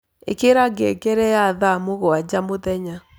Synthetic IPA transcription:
ḛkeɾaɡekɛɾɛjaðamoɣoad͡ʑamoðɛɲa

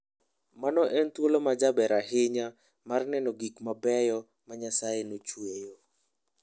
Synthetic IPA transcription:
manɔʔɛnt̪wolomad͡ʒabɛɾaɦɪɲa | marnɛnɔɡikmabɛjɔ | maɲasajenot͡ʃwejo

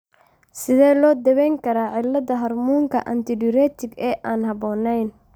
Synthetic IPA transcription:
sɪðɛːlɔːd̪ɐβɛjŋkʰɐɾaːʕɪlːɐðɐɦɐrmuːŋkʰɐʔɐ̰nt̪ʰɪɖɪɾɛːt̪ʰɪɡɛːʔaːnhɐβɔːnɛjn

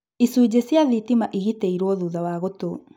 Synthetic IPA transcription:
isud͡ʑesjaðitimaʔiɣiteiɾwɔðuːðawaɣoto

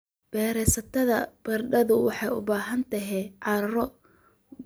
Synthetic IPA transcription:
b̥ɛːɾɛsɐt̪ʰɐðɐb̥ɐrɖɐðʊwɑħɑjʊ̰baːɦɐnt̪ʰɐɦɛʕɑɾɾɐɾɔ

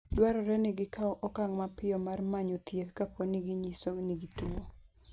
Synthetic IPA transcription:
dwaɾɔɾɛnɪɡɪkaɔʔɔkaŋmapɪjɔmarmaɲot̪jet̪kapʰoniɡiɲisoniɡituo

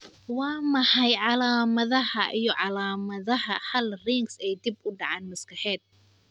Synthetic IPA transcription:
wɑːmɐħɐjʕɑlaːmɐðɐɦɐʔijɞʕɑlaːmɐðɐɦɐhɐlriŋɡsɛjd̪ɪbʊɖɑʕaːnmɐskɐħɛːd̪̚

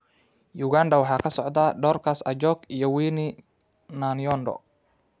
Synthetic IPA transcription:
juːɣaːnɖɐwɑħɑːkʰɐsɔʕd̪ɐɖɔːrkʰɐsɐd͡ʒɔɡijɔwiːnɪ | nanjɔnɖɔ̰

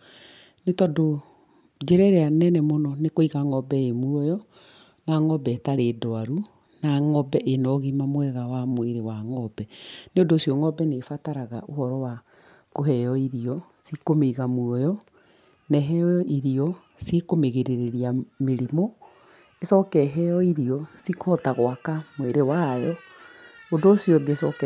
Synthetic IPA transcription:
netɔdo | d͡ʒeɾɛɾɛanɛnɛmonɔnekoiɣaŋɔbɛemwɔjɔ | naŋɔbɛːtaɾeːdɔaɾu | naŋɔbɛʔenɔɣimamwɛɣawamweɾewaŋɔbɛneodoːsjɔŋɔbɛnefataɾaɣaʔohɔɾɔwa | koɦɛjɔiɾiɔ | sikomeiɣamwɔjɔ | nɛɦɛɔɔʔiɾiɔ | sikomeɣeɾeɾeɾiameɾimɔ | esɔkɛɦɛjɔiɾiɔsikʰɔtaɣowakamweɾewajɔ | odosjɔɡesɔk

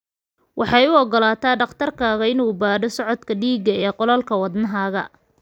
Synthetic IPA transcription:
wʔɑħɑjʊɔɡɔlaːt̪ʰaːɖɑqt̪ʰɐrkʰaːɣɐɪnuːbaːɖɔsɔʕɔd̪kʰɐɖiːɡɐɛːqɔlɐlkʰɐwɑd̪nɐɦaːɣɐ̰

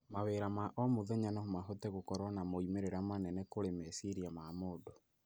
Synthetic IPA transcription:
maweɾamaʔɔmoðɛɲanaomaɦotɛɣokɔɾɔnamoimeɾeɾamanɛnɛkoɾemesiɾiamamoːdo

